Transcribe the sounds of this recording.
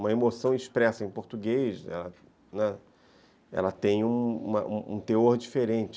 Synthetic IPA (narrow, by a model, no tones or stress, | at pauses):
ũmɐemosɐ̃w̃iʃpɾɛsɐẽj̃poɾt̪uɡejsɛ̰lɐ | nɛ | ɛ̰lɐt̪ẽj̃ũṵ̃mɐ̰ʔũũt̪eoɾd͡ʒifeɾẽnt͡ʃɪ